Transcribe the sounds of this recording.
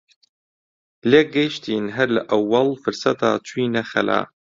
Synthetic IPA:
leːɡɛʃt̪ʰiːnɦɐɾlaʔɐwːɐlfɨɾsɐt̪aːt͡ʃʰuiːnɐxɐ̰la̰ː

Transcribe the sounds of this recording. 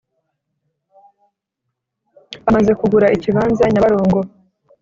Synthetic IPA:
amaze̞kuɡuɾaʔiciβaːnzaɲaaɾoːŋɡo̞

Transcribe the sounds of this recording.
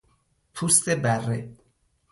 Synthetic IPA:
pʰust̪ebærːḛ

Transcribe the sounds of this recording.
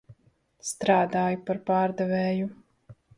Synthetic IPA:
st̪ɾaːd̪aːjupaɾpaːɾd̪ɛvɛːju

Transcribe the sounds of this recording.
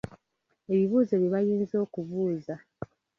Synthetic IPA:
e̞βiβuːzeβiβajiːnzo̞ːkuβuːza

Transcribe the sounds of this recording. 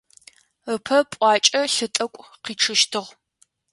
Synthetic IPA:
əpʰɐpʷʼɑːt͡ʃʼɐɬɨtʼɐkʷʼqiːʈ͡ʂʰɨʃtʰɨʁ

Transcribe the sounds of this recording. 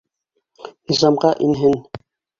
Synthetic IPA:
nizɑmʁɑʔinɦɘn

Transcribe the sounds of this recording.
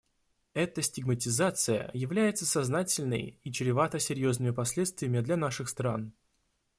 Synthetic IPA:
ɛt̪əsʲtʲɪɡmətʲɪzat̪sɨjə̰jɪvlʲæjɪt̪səsɐznatʲɪlʲnə̰jit͡ɕɪɾʲɪvat̪əsʲɪɾʲjo̞znɨmʲɪpɐsʲlʲe̞t̪st̪vʲɪjəmʲɪd̪lʲanaʂɨxst̪ɾan

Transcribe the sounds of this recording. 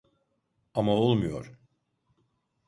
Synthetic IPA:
amaolˠmujo̞̰ɾ̥

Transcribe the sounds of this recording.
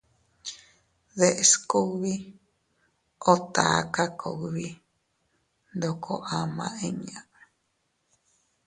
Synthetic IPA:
ðeʔeskoβi | ot̪a̰akakʰo̰βi | nd̪okʰo̰ʔamã̰ʔeɲãe

